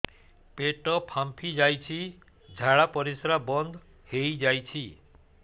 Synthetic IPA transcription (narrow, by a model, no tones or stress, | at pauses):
peʈɔpʰampʰid͡ʒajt͡ʃʰi | d͡ʒʱaɭapɔɾisɾabɔnd̪ʱ | hejd͡ʒajt͡ʃʰi